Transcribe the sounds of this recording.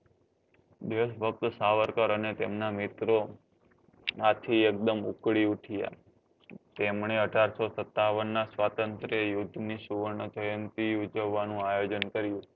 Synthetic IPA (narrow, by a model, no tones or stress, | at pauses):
d̪eʃbʱək̚t̪əsaʋəɾkəɾənet̪emnamɪt̪ɾo | at̪ʰiek̚d̪əmṵkɽiuʈʰija̰ | t̪emɳ̃eəɖʱaɾsosət̪ːaʋənːasʋat̪ənt̪ɾejʊd̪ʱːniʃuʋəɳəd͡ʒəjənt̪iud͡ʒəʋːanũajod͡ʒənkəɾjũ